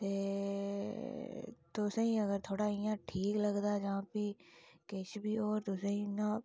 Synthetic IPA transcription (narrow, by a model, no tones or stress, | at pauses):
t̪e | t̪oseɦĩɐɡəɾt̪ʰoːɽaĩjãʈʰiːklɐɡd̪ad͡ʒɐɦãːpikeːt͡ʃbʱioːɾt̪osẽɦĩna